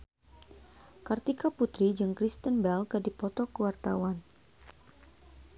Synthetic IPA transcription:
kart̪ikaput̪ɾid͡ʒɨŋkɾist̪ənbɛlkədipɔt̪ɔkəwart̪awan

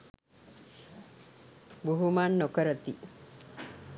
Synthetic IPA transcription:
buɦumanːokəɾət̪i

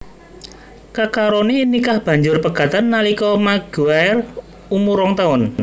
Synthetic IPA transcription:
kakaɾɔninikahb̥ä̤ɲd͡ʒʊrpəɡ̥a̤t̪anːalikɔmaɡ̥uaɛr | umuɾɔŋt̪aʊn

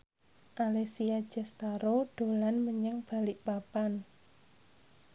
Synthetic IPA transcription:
ʔalesiad̥d͡ʒ̥a̤st̪aɾod̪̥o̤lanməɲəŋb̥a̤lɪʔpapan

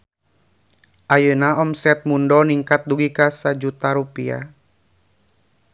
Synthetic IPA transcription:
ʔajənaɔmsɛt̪̚mundɔniŋkat̪̚duɡikasad͡ʒut̪aɾupia̰

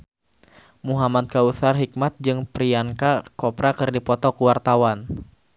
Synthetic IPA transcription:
muɦamat̪̚kausarɦik̚mat̪̚d͡ʒɨŋpɾiankakɔpɾakɨrdipɔt̪ɔkuwart̪awan

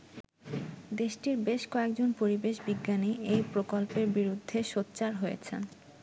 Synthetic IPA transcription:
d̪eʃʈiɾbeʃkɔek̚d͡ʑonpoɾibeʃbiɡːaniejpɾokolpeɾbiɾud̪ʱːeʃotːɕaɾɦojḛt͡ɕʰḛn

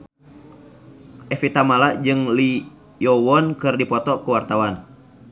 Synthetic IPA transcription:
ʔɛfit̪amalaʔd͡ʒɨŋli | jɔwɔnkɨrdipɔt̪ɔkuwart̪awan

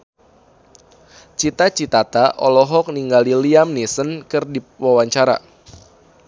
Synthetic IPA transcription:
t͡ʃit̪at͡ʃit̪at̪aʔɔlɔɦɔk̚niŋɡaliliamnisənkɨrdipwawaɲt͡ʃaɾa̰

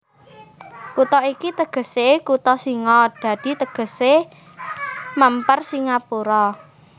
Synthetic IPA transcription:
kut̪ɔikit̪əɡ̥ə̤sekut̪ɔsiŋɔd̪̥a̤d̪̥i̤t̪əɡ̥ə̤se | mampərsiŋapuɾɔ

